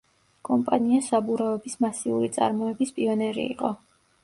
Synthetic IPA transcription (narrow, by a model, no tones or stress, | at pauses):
kʼɔmpʼaniasabuɾavɛbismasiuɾit̪sʼa̰ɾmɔɛbispʼiɔnɛɾḭːqʼɔ